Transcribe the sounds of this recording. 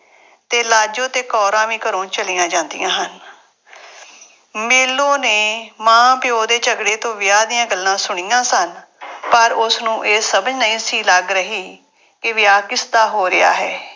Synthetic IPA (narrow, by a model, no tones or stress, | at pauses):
t̪eːlaːd͡ʒõːt̪eːkɔːɾãːʋĩːkəɾõːt͡ʃəlijãːd͡ʒãːnd̪ɪ̰jãːɦən | meːlõːneːmãːpɪjoːd̪eːt͡ʃəɡɽeːt̪õːʋɪjaːd̪ɪjãːɡəlːãːsʊɳ̃iːãːsən | pəɾʊsnũːʔeːsəbəd͡ʒnəĩːsiːləɡɾəɦiː | kɪʋɪjaːkɪsd̪aːɦoːɾɪja̰ːɦɛː